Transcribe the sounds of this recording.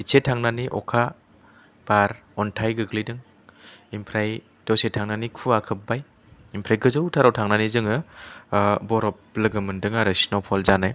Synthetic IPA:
isʰetʰaŋnaniʔɔ̰kʰa | b̥aɾ | ɔntʰajɡɯɡlidɯŋ | impʰɾaj | d̥ɔsetʰaŋnanikʰuakʰɯp̚baj | impʰɾajɡɯzɯwtʰaɾɔwtʰaŋnanizɯŋɯ | bɔɾɔp̚lɯɡɯmɯndɯŋaɾesinɔpʰɔlzanaj

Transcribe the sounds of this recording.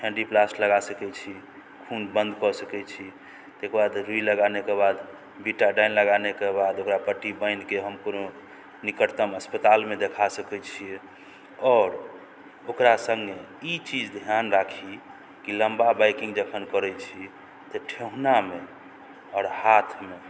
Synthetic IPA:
ʈʰɛ̃ɳɖiplasləɡasəkɛt͡ʃʰi | kʰunbənd̪kɔsəkɛt͡ʃʰi | t̪ekbad̪ɾuiləɡanekebad̪ | biʈaɖaɪnləɡanekebad̪okɾapəʈːibə̃ɪnkeɦəmkono | nikəɾt̪əməspət̪almẽd̪ekʰasəkɛt͡ʃʰi | ɔːɾ | okɾasə̃ŋɡe | it͡ʃid͡ʒd̪ʱjanɾakʰi | kiləmbabajkĩŋɡd͡ʒəkʰənkəɾɛt͡ʃʰi | t̪ɔʈʰeɦuname | ɔːɾhat̪ʰme

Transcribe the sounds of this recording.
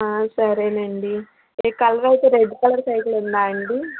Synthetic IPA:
aːsɐɾeːnɐɳɖi | kɐlʋɐjt̪eːɾeɖkɐlɐɾsɐjklund̪aːɐɳɖi

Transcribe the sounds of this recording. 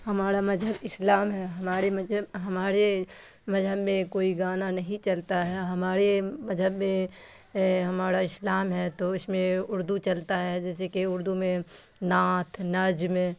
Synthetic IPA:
hɐmaːɾamɐzɦəbɪslaːmɦɛɦɐmaːɾemɐd͡ʒəɦɐmaːɾemɐzɦəbmẽkoːiɡaːnanɐɦĩt͡ʃɐlt̪aɦɛɦɐmaːɾemɐzʱɦəbmẽ | ɦɐmaːɾaɪslaːmɦɛt̪oɪsmẽʊɾd̪ut͡ʃɐlt̪aɦɛd͡ʒɛːsekeʊɾd̪umẽ | naːt̪ʰnɐd͡ʒmẽ

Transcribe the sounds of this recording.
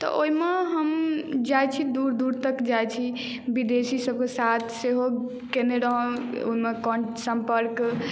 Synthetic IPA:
t̪ɔ̰ʔoɦimeɦəmd͡ʒajt͡ʃʰid̪uɾd̪uɾt̪əkd͡ʒajt͡ʃʰi | bid̪esisəb̚kesat̪ʰseɦo | keneɾəɦə̃o̰ɦimekɔsəmpəɾk

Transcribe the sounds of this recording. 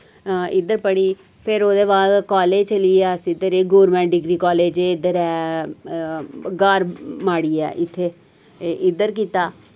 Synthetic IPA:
ɪd̪əɾpəɽiː | pʰɪɾoːd̪eːbaːd̪kaːleːd͡ʒt͡ʃəliːɛːsd̪əɾeːɡoːɾmɛ̃ːɳɖɪɡɾiːkɔːleːd͡ʒeːɪd̪əɾɛː | ɡaːɾmaːɽiːɛ̰ːʔɪt̪ʰːeː | ʔɪd̪əɾk̬iːt̪aː

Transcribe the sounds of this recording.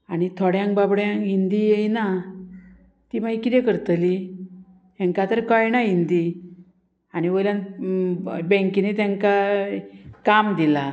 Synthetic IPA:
aɽ̃it̪ʰɔɽjãŋkbabɽjãɦind̪ijejna | t̪imaikit̪ekəɾt̪li | jãŋkat̪əɾkajnaɦind̪i | aɽiʋəjljãn | bɛ̃ŋkinet̪jãŋka | kamd̪ila

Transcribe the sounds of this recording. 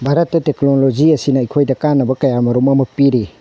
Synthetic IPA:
bʱaɾɐtːɐteknolod͡ʒiɐsinɐikʰojdɐkanːɐbɐkɐjamɐɾumɐmɐpiɾi

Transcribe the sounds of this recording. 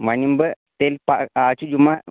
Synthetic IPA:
ʋanimbə | t̪elpaaːt͡ʃud͡ʒuma

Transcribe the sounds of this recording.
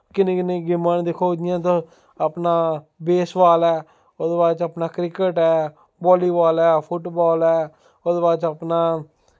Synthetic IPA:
kɪnẽːkɪnẽːɡɪmand̪ɪkʰoːd͡ʒɪjãːt̪õː | apnaː | beːsʋaːlɛː | oːd̪baːt͡ʃapnaːkɾɪkəʈɛː | bɔːliːbaːlɛːpʰʊʈbɔːlɛː | od̪baːt͡ʃapnaː

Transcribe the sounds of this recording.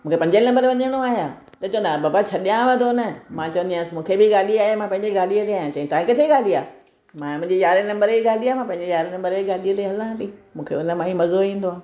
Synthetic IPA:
mũːkʰepɐ̃ɲd͡ʑenɐ̃mbəɾʋɐɲəɽ̃oaːɦijã̰ː | t̪ɐt͡ɕɐ̃ʋə̃nd̪abaːbat͡ɕʰɐɗjãʋɐd̪ʱonɐmãt͡ɕɐʋə̃nd̪ijãːsmũːkʰebɪɡaːliaːɦemãpɐ̃ɪ̃ɲd͡ʑeɡaːliət̪eaːɦjãt͡ɕɐɦĩt̪aːɦĩkɪt̪ʰeiɡaːliaː | mãmʊ̃ɦɪ̃ɲd͡ʑejaːɾenɐ̃mbəɾiɡaːliaːmãpɐ̃ɦɪ̃ɲd͡ʑejaːɾenɐ̃mbəɾiɡaːliət̪eɦɐlãt̪imũːkʰḛʊnəmãːĩmɐzoĩːn̆d̪oaː

